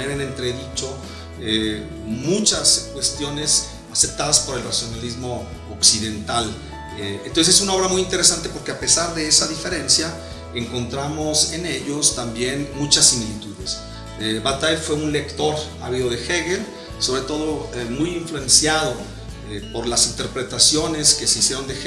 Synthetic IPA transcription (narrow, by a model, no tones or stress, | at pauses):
eɾenent̪ɾe̞ðit͡ʃo̞ | e | mut͡ʃaskwe̞st̪jo̞ne̞s | asep̚t̪aðaspo̞ɾe̞lrasjo̞nalizmo̞ː | ksiðe̞nt̪al | eent̪onsese̞sunao̞βɾamujint̪e̞ɾe̞s̬ant̪e̞po̞ɾke̞ape̞saɾðe̞esaðife̞ɾe̞nsja | e̞ŋko̞nt̪ɾamo̞se̞ne̞ʝo̞st̪ambje̞nmut͡ʃasimilit̪uðes | ebat̪aelfwe̞unle̞kt̪o̞ɾa̰βiðo̞ðe̞xeɣel | so̞βɾe̞t̪o̞ð̞o̞emujiɱflue̞nsjaðo̞ | epo̞ɾlasint̪eɾpɾe̞t̪asjo̞ne̞ske̞seisje̞ɾo̞nd̪ex